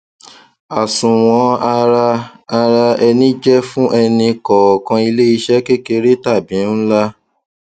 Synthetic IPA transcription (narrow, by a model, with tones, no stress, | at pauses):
a˨sũ˨w̃ɔ̃˧a˧ɾa˧a˧ɾa˧ɛ˧nĩ˦d͡ʒɛ˦fũ˦ʔɛ˧nĩ˧kɔ˨kã˧i˧le˦i˧ʃɛ˦ke˦ke˧ɾe˦ta˦˨bĩ˨˦la˦